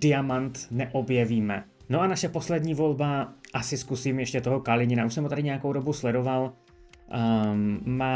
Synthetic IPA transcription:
dɪamant̪nɛʔo̞bjɛviːmɛ̰ | noʔanaʃɛpo̞slɛdɲiːvo̞lbaʔasɪskusiːmjɛʃcɛt̪o̞ɦokalɪɲɪnaʔuʃsɛmot̪adɪɲɛjakowdo̞buslɛdo̞val | maː

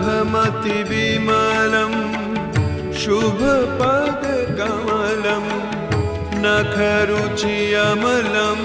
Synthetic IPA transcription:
bʱɐmɐt̪ibimaːlɐm | ʃubʱɐpaːd̪ɐɡaːmalɐm | nɐkʰɐɾut͡ʃijɐmɐlɐm

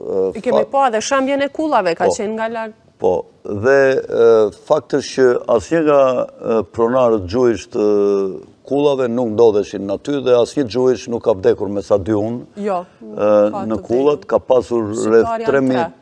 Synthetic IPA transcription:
kɛpɔðɛʃambjɛnɛkulˠavɛkat͡ɕɛnɡala | pɔ̰ | ðɛ | fak̚t̪əʃcəasɲəŋɡapɾɔnaɾət̪̚d͡ʒuiʃt̪ə | kulˠavɛnuknd̪ɔðɛʃinːat̪yðɛasɲəd͡ʒuiʃnukːavd̪ɛkuɾmɛsad̪iun | nəkulˠat̪kapasuɾrɛθt̪ɾɛmi

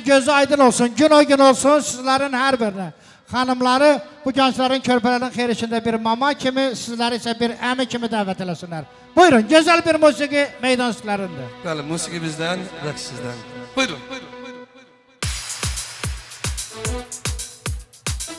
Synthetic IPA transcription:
ɡʲøzɪɑjd̪ɨnolˠsʊnɡʊnojɡʲɪnolˠsʊnsɪzlæɾɪnhaɾbɪɾnɪ | χɑnɪmlˠɑɾɪbʊɡʰɑnt͡ʃlaɾnɪŋkʲʰøɾpælaɾnɪnχʰejɾɪʃɪnd̪abɪɾmɑmɑkʲʰɪmɪsɪzlæɾesabɪɾæmɪkʲʰɪmɪd̪avat̪ʰelasɪnlaɾ | b̥ojɾʊnɡʲøzalbɪɾmusɪɡɪmejd̪ɑnsɪ̥k̪ʲlaɾɪnd̪ɪbalɪmusɪɡibɪzd̪anɾaksɪzd̪an

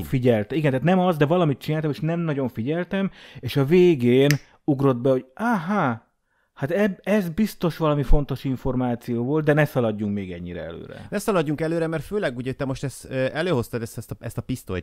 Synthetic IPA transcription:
fiɟɛlt̪ɛiɡɛnt̪aːt̪nɛmɒzd̪ɛvɒlɒmit̪̚t͡ʃinaːlt̪ɒmeːʃnɛmnɒɟo̞ɱfiɟɛlt̪ɛmeːʃɒveːɡeːn | uɡro̞d̪̚bɛhoɟaɦa | hat̪ɛɛzbist̪o̞ʃʋɒlɒmifo̞n̪t̪o̞ʃiɱfo̞rmaːt̪sijoːvo̞ld̪̚d̪ɛnɛsɒlɒɟːuŋkmeːɡɛɲːiɾɛ̰ɛ̰lø̰ːɾɛ̰nɛsɒlɒɟːuŋkɛløːɾɛmɛrt̪føːlɛɡuːɟɛot̪ːɛmo̞ʃt̪ɛst̪ɛløːho̞st̪ɐd̪ɛst̪ɛst̪ɛst̪ɒpist̪o̰

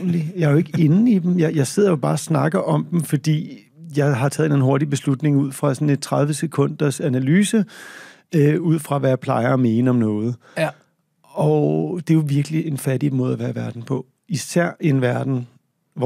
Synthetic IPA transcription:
lijɑ̈ɪæjoe̝ɡ̥əe̝nn̩id̥em̩jɑ̈ɪjɑ̈ɪse̝ð̞̰ˠɐjo̝b̥ɑ̈ːsnɑ̈ɡ̥ɐʔɒ̽md̥m̩fɒ̽d̥ḭː | jɑ̈ɪɦɑ̈t͡sʰɛðˠenæn̩ɦo̝ɐdib̥e̝slud̥ne̝ŋuð̞̰ˠfʁɑ̈sɔ̽ne̝d̥̚t͡sʰʁɑ̈ð̞ˠʋəsekʰɔ̽n̰d̥ɐsænælyːsə | øuð̞̰ˠfʁɑ̈ʋæjɑ̈pʰlɑ̈ɪɐːme̝ːnəɒ̽mnɔ̽ːð̞̩ˠ | ɒ̽d̥e̝joʋiɐɡ̥əlie̝nfæɾimo̝ðˠɐʋæːɐʋæɐd̥n̩pʰɒ̽ | isæɐ̰e̝nʋæɐd̥n̩ | ʋ

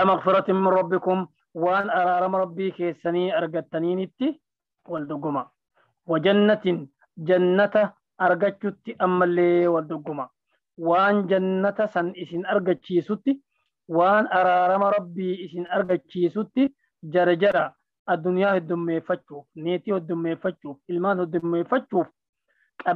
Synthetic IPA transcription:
ɐmɐɣfɪɾɐt̪ɪnmːɪnrɾɐbːɪkʊm | waːnɐɾaːɾɐmɐɾɐbːiːke̞ːsːɐniːɐɾɡɐt̪ːɐniːnɪt̪ːɪ | wɐld̪ʊɡːʊmɐ | wɐd͡ʒɐnːɐt̪ɪn | d͡ʒɐnːɐt̪ɐ | ɐɾɡɐt͡ʃːʊt̪ːɪʔɐmːɐlːeːwɐld̪ʊɡːʊmɐ | waːnd͡ʒɐnːɐt̪ɐsɐnɪsɪnɐɾɡɐt͡ʃːiːsʊt̪ːɪ | waːnɐɾaːɾɐmɐɾɐbːiːɪsɪnɐɾɡɐt͡ʃːiːsʊt̪ːɪ | d͡ʒɐɾɐd͡ʒɐɾɐ | ɐd̪ːʊnɪjaːhɔd̪ːʊmːe̞ːfːɐt͡ʃːuːfneːt̪iːhɔd̪ːʊmːe̞ːfːɐt͡ʃːuːfɪlmaːnhɔd̪ːʊmːe̞ːfːɐt͡ʃːuːf | kʼɐ

